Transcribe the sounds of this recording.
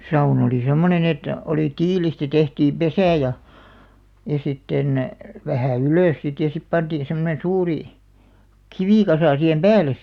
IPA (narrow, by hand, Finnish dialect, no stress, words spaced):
sɑun oliˑ semːonen et oliˑ tiːlistæ tehtiːm pesæˑ jɑ jɑ sitːen ʋæhæˑ yløˑs sit jɑ sip pɑntiːn̞ semːonen̞ suːri kiʋikɑsɑˑ sihem pæːlˑes